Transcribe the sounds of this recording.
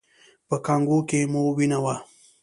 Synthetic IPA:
pəkaŋɡukemowinawa

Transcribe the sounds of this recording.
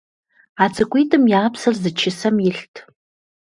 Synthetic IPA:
aːt͡sʰʼɨkʷʼijtʰʼɨmjaːpsɐrzɨt͡ʃʰɪsɐmjɪɬtʰ

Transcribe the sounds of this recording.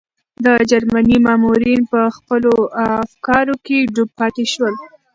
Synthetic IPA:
d̪əd͡ʒaɾmanimɑmuɾinpəxpəloafkɑɾokeɖub̚pɑt̪eʃwəl

